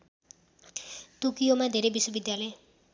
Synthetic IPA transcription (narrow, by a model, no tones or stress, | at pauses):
t̪ukijomad̪ʱeɾebiswʌbid̪jalʌ